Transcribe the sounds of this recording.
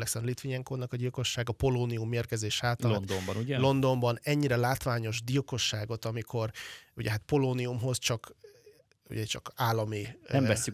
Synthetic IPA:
lɛksɛnlit̪ʋiɲɛŋkoːnɒkɒɟilko̞ʃːaːɡɒpo̞loːniumːeːrkɛzeːʃaːt̪ɒlnd̪ombɒnuɟɛlo̞nd̪o̞mbɒnɛɲːiɾɛlaːt̪ʋaːɲo̞ʒd̪ilko̞ʃːaːɡo̞t̪ɒmikʰo̞rṵɟɛɦat̪po̞loːniumɦo̞zt͡ʃɒk | ṵɟɛt͡ʃɒ̰kaːlːɒmiɛmvɛsːy

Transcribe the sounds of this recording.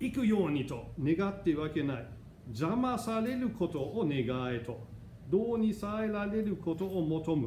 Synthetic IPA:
ikɯ̟jo̞ːɲ̟it̪o̞ne̞ɡat̪ːe̞βake̞nai | d͡ʑamasaɾe̞ɾɯ̟kʰo̞t̪o̞ʔːne̞ɡaet̪o̞ | d̪oːɲ̟isaeɾaɾe̞ɾɯ̟kʰo̞t̪o̞ːmo̞t̪o̞mɯ̟

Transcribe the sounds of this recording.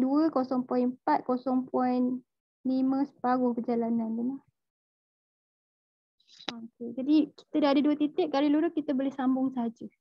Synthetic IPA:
duəkosɔŋpɔinpat̪̚kosɔŋpʰɔin | limə̃sə̥paɡʊhpərd͡ʒalanandunah | ooked͡ʒadiki̥t̪ədaɦadaduət̪it̪ɪʔ̚kaɾiluɾʊkit̪əbolɪhsambʊŋsəɦad͡ʒə

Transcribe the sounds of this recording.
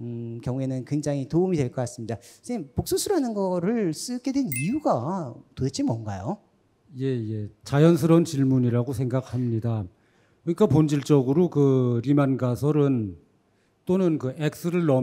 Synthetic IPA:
ɯkjʌŋe̞nɯnkweŋd͡ʑaŋitoumidweɭk͈ʌk͈as͈ɯmɲidapok̚s͈usʰuɾanɯnɡʌɾɯɭs͈ɯɡe̞dwennijuɡatodet͡ɕ͈ʰimːwʌnɡajo | je̞je̞t͡ɕajʌnsʰɯɾʌnt͡ɕiɭmuɲiɾaɡosʰe̞ŋɡak̚ʰamɲida | kɯɲik͈apond͡ʑiɭt͡ɕ͈ʌɡɯɾokɯɾimanɡasʰʌɾɯn | t͈onɯnkɯʔek̚s͈ɯɾɯɭːʌ

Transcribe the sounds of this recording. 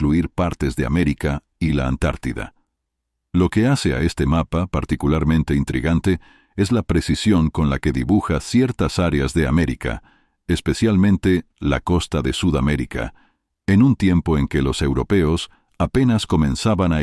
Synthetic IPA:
kluiɾpaɾt̪e̞zðe̞a̰me̞ɾika | ilaːnt̪a̰ɾt̪iða̰ | lo̞ke̞ase̞a̰e̞st̪e̞mapapaɾt̪ikulaɾmẽ̞nt̪e̞int̪ɾḭɣant̪e̞ | e̞zlapɾe̞sisjo̞ŋko̞nlake̞ðiβuxasje̞ɾt̪asaɾeazðe̞ame̞ɾika̰ | espe̞sjalmẽ̞nt̪e̞la̰ko̞st̪aðe̞suðame̞ɾika̰ | enunt̪je̞mpo̞e̞ŋke̞lo̞se̞wɾo̞pe̞o̞s | ape̞nasko̞mẽ̞nsaβana

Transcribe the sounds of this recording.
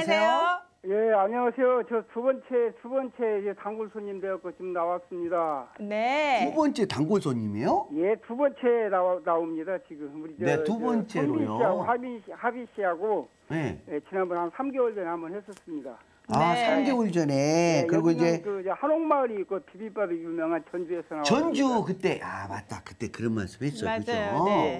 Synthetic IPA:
sʰeo | je̞aɲiwasʰe̞jot͡ɕʌtubʌnt͡ɕʰe̞tubʌnt͡ɕʰed͡ʑetaŋɡoɭsʰoɲimde̞jʌk͈ot͡ɕomnawas͈ɯmɲidanetubʌnt͡ɕ͈ʰetaŋɡoɭsʰoɲimejoje̞tubʌnt͡ɕʰe̞naanaomɲidat͡ɕiɡɯmuɾid͡ʑnetubʌnt͡ɕʰeɾoijoiaɡohabiɕhabiɕiɦaɡo | nejet͡ɕinanbʌnhansʰamɡewʌɭd͡ʑʌnehambʌnhe̞s͈ʌs͈ɯmɲida | asʰamɡe̞woɭd͡ʑʌne̞kɯɾiɡoid͡ʑe̞toid͡ʑehanoŋmaɯɾiːk͈opʰibip͈abijumjʌŋɦant͡ɕʌnd͡ʑue̞sʰʌnat͡ɕʌnd͡ʑukɯt͈e̞ʔama̰t̚t͈akɯ̥t͈e̞kɯɾʌnma̰ɭs͈ɯ̥bhe̞s͈ʌoɯd͡ʑʌjo

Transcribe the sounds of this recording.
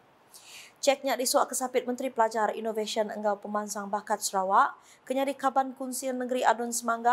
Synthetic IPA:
t͡ʃɛk̚ɲaʔdiswaʔkəsapɪt̪̚mənt̪ɾipəlad͡ʒarḭnovesiɔnə̰ŋɡawpəmansaŋbakat̪̚səɾawaʔ | kəɲadikabankunsɪrnəɡəɾiʔadɔnsəmaŋɡa

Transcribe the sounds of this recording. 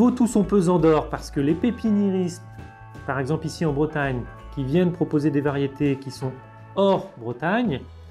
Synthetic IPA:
vot̪usɔ̃pøzɑ̃d̪ɔʁpaʁsə̥kəlepepineʁist̪ | paʁɛɡzɑ̃plisiɑ̃bʁət̪aɲ | kʲivjɛnpχɔpozed̪evaʁjet̪ekʲisɔ̃ | ɔʁbʁət̪aɲ

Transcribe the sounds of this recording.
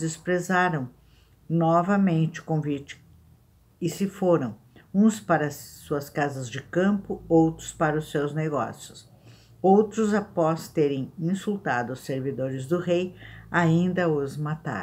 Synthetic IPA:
ɪspɾezaɾɐ̃w̃ | nɔvɐmẽnt͡ʃɪʊ̥kõvit͡ʃɪ̥ | ɪsɪfoɾɐ̃w̃ | ũspaɾɐsːuɐskazɐzd͡ʒɪkɐ̃mpʊowt̪ɾʊspaɾɐʊsewzneɡɔ̰sjʊs | owt̪ɾʊzapɔst̪eɾẽj̃ĩsult̪a̰d̪ʊʊseɾvid̪oɾɪzd̪ʊʁejaĩnd̪ɐʊzmat̪ã̰

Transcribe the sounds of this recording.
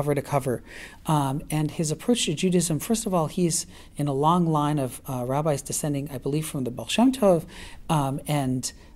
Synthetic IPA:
ʌvə˞ɾɨkʰʌvə˞ | ɨ̃nɨzɨpʰɹ̥oʊt͡ʃtʰɨd͡ʒʉɾɨɨzɨ̃ɱfɜ˞stʌvɔlˠiz | ɨ̃nəlɔ̃ŋlãɪ̃nʌvɹæbaɪzdɨsɛ̃ndɪ̃ŋaɪbəliv̥fɹʌ̃mðəbɛlˠʃõntʰoʊv | ɨ̃n

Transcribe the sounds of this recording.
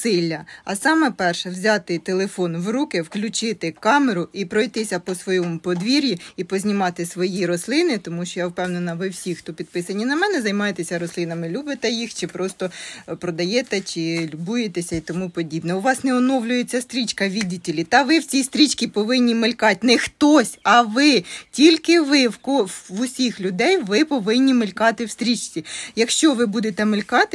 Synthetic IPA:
sɪlʲːɐɐsɑmɛpɛrʃɛwzʲɑt̪ɪt̪elˠefɔnʋrukɪwklʲʊt͡ʃɪt̪ɪkɑmeɾʊʔipɾɔjt̪ɪsʲɐpɔsʋɔjɔmʊpɔd̪ʋʲiɾʲjiipɔzʲnʲimɑt̪ɪsʋɔjiɾɔslˠɪnɪt̪ɔmuʃt͡ʃɔjawpɛwnenɐʋɪwsʲixt̪ɔpʲid̪̚pɪsɐnʲːinɐmɛnɛzɐjmɑjet̪esʲɐɾɔslˠɪnɐmɪlʲubɪt̪ɛjixt͡ʃɪpɾɔst̪ɔpɾɔd̪ɐjɛt̪ɛt͡ʃɪlʲʊbujet̪esʲɐit̪ɔmupɔdʲibnɛʊʋɑsnɛɔnɔwlʲʊjet͡sʲːɐst̪ɾʲit͡ʃkɐʋʲidʲitʲelʲit̪ɐʋɪwt͡ssʲist̪ɾʲit͡ʃkʲipɔʋɪnʲːimɪlʲkɑtʲnɛxt̪ɔsʲɐʋɪtʲilʲkɪʋɪwkɔʋʊsʲixlʲʊd̪ɛjʋɪpɔʋɪnʲːimɪlʲkɑt̪ɪwst̪ɾʲit͡ʃt͡sʲijɐkʃt͡ʃɔʋɪbud̪et̪ɛmɪlʲkɑt̪ɪ

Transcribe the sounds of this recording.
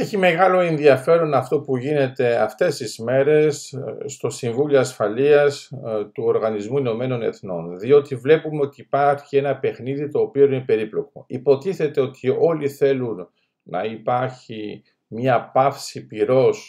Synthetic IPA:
eçime̞ɣɐlo̞e̞nðiɐfe̞ɾo̞nɐft̪o̞puʝine̞t̪e̞ɐft̪e̞st̪izme̞ɾe̞st̪o̞siɱvuljoɐsfɐliɐst̪uo̞ɾɣɐnizmuino̞me̞no̞ne̞̰θno̞̰nðio̞t̪ivle̞pumeo̞t̪iːpɐɾçie̞nɐpe̞xniðit̪o̞ːpio̞inepe̞ɾiplo̞k̚o̞ipo̞t̪iθe̞t̪e̞o̞t̪ʰio̞liθe̞lunː | ɐ̰ipɐɾçi | mɲɐpɐfsipiɾo̞s

